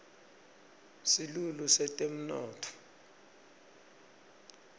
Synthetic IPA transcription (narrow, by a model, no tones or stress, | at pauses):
silulusɛtʼem̩nɔːtʰɔ̥